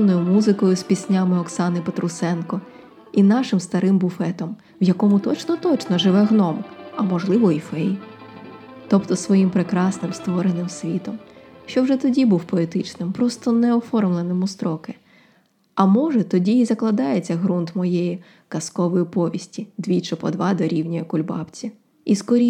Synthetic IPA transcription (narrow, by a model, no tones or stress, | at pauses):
nːɔjʊmuzɪkɔjʊspʲisʲnʲamɪɔksɑnɪpet̪ɾʊsɛnkɔ | inɑʃɪmst̪ɐɾɪmbʊfɛt̪ɔm | wjɐkɔmʊt̪ɔt͡ʃnɔt̪ɔt͡ʃnɔʒɪʋɛɦnɔmɐmɔʒlˠɪʋɔifɛj | t̪ɔpt̪ɔsʋɔjimpɾekɾɑsnɪmst̪ʋɔɾenɪmsʲʋʲit̪ɔmʃt͡ʃɔwʒɛt̪ɔdʲibuwpɔet̪ɪt͡ʃnɪmpɾɔst̪ɔnɛɔfɔrmlˠenɪmʊst̪ɾɔkɪ | ɐmɔʒɛt̪ɔdʲiːzɐklˠɐd̪ɑjet͡sʲːɐɦɾunt̪mɔjɛji | kɐskɔʋɔjipɔʋʲisʲtʲid̪ʋʲit͡ʃɪpɔd̪ʋɑd̪ɔɾʲiwnʲɐjɛkʊlʲbɑ̰pt͡sʲi | iskɔɾʲi